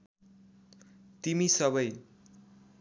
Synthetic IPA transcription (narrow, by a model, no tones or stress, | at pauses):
t̪imisʌbʌj